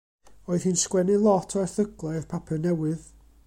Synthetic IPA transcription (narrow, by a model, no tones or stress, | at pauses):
oːɨð̥hiːnskwɛnɨlˠɔtʰɔrθəɡlˠɔrpʰapʰɛnɛwɨð